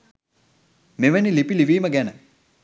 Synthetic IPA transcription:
meʋenilipiliʋiːməɡænə

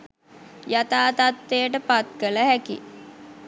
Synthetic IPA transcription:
jat̪aːt̪at̪ːejəʈəpat̪̚kələɦækḭ

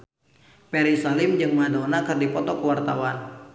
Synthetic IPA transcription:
pɛɾisalɪmd͡ʒɨŋmadonakɨrdipɔt̪ɔkəwart̪a̰wan

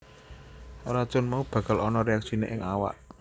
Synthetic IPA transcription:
ɾḁt͡ʃʊnmaub̥ä̤ɡ̥a̤lɔnɔɾeaksineʔɪŋawa̰ʔ

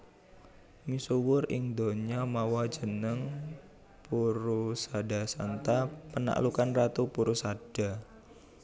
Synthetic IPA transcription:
misuwʊrɪŋd̪o̤ɲamawḁd͡ʒ̥ə̤nəŋ | puɾusada̤sant̪apəna̰ʔlukanrat̪upuɾusaɖ̥a̤

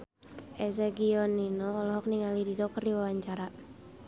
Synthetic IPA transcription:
ʔɛsɛɡiɔninɔːlɔɦɔk̚niŋalididɔk̚təriwawaɲt͡ʃaɾa

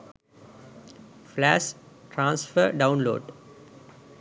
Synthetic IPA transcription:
flæsʈɾãːnsfəɾɖãʊ̃nlo̰ːɖ

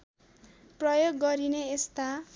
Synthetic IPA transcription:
prʌjoɡːʌɾineest̪a

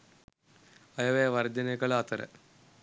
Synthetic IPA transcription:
ɐjɐʋeɐʋɐrd͡ʑɐnɐɣɐɭaːt̪ɐɾɐ̰

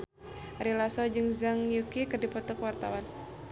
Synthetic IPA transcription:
aɾilasɔd͡ʒɨŋzaŋjukikərdipɔt̪ɔkwart̪a̰wan

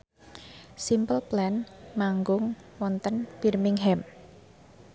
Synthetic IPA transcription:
simpəlplɛnmaŋɡʊŋwɔnt̪ənfirmɪŋɦɛm

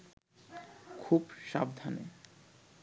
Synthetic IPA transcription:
kʰubʃa̰bd̪ʱanḛ

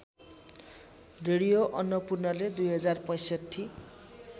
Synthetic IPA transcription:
reɽijoʔɔnːɔpurnʌled̪ujɦʌd͡zarpɔj̃sʌtʰːi

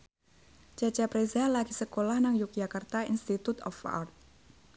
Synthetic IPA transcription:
d͡ʒat͡ʃapɾezalakisəkolahnaŋjuk̚d͡ʒakart̪ainst̪it̪ut̪ɔfa̰rt̪̚

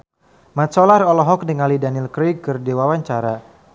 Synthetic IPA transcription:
mat̪sɔlarɔlɔɦɔk̚dəŋalidanilkɾiɡ̚kːərdiwawaɲt͡ʃaɾa

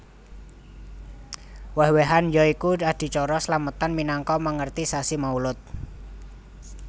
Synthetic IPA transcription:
wəhweɦanjɔikuad̪̥i̤t͡ʃɔɾɔsəlamət̪anminaŋkɔməŋərt̪isasimaulʊt̪̚

